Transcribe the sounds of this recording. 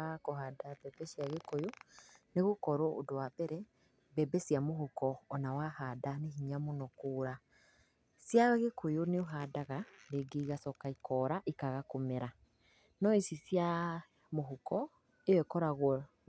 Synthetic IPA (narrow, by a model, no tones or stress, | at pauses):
koɦadabɛbɛʃjaɣekojoneɣokɔɾɔʔo̰dowabɛɾɛ | bɛbɛsjamoɦukɔːnawahaːdaneɦiɲamonɔkoːɾa | sjaɣekʰojoneoɦadaɣaɾeɡeiɣasɔkaikɔːɾaʔikaɣakomeɾa | nɔisisja | moɦukɔ | ewɛkɔɾaɣwɔ